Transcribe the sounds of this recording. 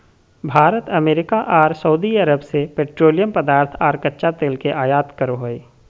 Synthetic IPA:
bʱaːɾət̪ɐmeːɾɪkaʔaːɾsəud̪iɐɾəbsepeːʈɾoːlijəmpəd̪aːɾt̪ʰaːɾkɐtːʃat̪eːlkeʔaːjaːt̪kəɾoɦoːeː

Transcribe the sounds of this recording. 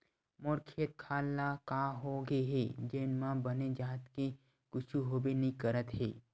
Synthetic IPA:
moɾkʰijət̪̚kʰaːlːakaːɦoɡeɦeːd͡ʒeːnmãbɐned͡ʒaːt̪ke | kʊt͡ʃʰuɦoːbenɐɦĩkəɾət̪ɦḛː

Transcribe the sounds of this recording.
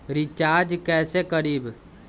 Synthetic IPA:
ɾɪt͡ʃaːɾd͡ʒkɛːsekəɾiːb

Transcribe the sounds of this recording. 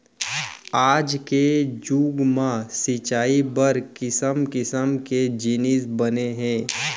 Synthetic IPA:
aːd͡ʒked͡ʒuːɡmãsɪt͡ʃaːibəɾkɪsəmkɪsəmked͡ʒɪnɪsbəneɦɛ̃ː

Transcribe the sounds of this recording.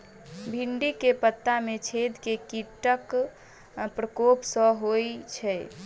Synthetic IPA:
bʱiɳɖikepət̪ːamet͡ʃʰed̪kekiʈək | pɾəkopsə̃ɦojt͡ʃʰɛ

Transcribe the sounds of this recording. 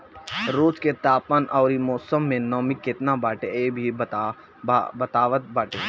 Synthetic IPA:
ɾoːsket̪aːpənʔɔːɾimɔːsəmːẽnɔːmikːɪt̪nabaːʈeebʱi | bɐt̪aːʋət̪̚baːʈeː

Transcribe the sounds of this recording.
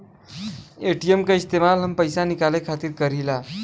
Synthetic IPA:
eʈiemkaist̪emalɦəmpəjsanikalekʰat̪iːɾkəɾila

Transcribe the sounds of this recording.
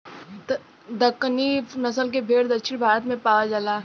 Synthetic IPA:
d̪əkːninɐsəlk̬ebʱeːɽd̪ɐkʃʰɪñbʱaːɾət̪mẽpaːʋad͡ʒalaː

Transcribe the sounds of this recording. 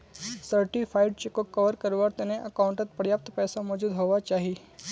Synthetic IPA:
səɾʈipʰaːɪɖ̚t͡ʃekokɐʋəɾkɐɾʋaɾt̪enẽʔɐkãːʊ̃ɳʈət̪̚pəɾjaːp̚t̪pɛːsamɔːd͡ʒuːd̪ɦoːʋat͡ʃaːɦie

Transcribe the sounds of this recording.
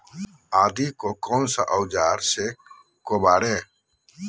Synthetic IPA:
aːd̪iːkoːkoːnsa̰ʔəwd͡ʒaːɾseː | koːbaːɽeː

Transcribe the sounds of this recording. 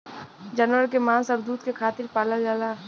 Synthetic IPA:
d͡ʒɐnwəɾkemãːnsɐɾd̪uːt̪kekʰaːt̪ɪɾpaːlad͡ʒaːla

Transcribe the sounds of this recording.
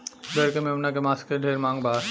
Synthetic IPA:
beɾkememnakemaskeɖʱeɾmaŋba

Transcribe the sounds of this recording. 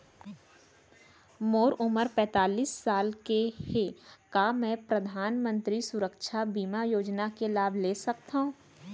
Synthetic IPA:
moːɾʊməɾpɛ̃ːt̪aːliːsːaːlkehekaːmɛ̃ːpɾəd̪ʱaːnmə̃nt̪ɾisʊɾəkʃabiːmajoːd͡ʒnakelaːbʱleːsɐk̚t̪aɦũː

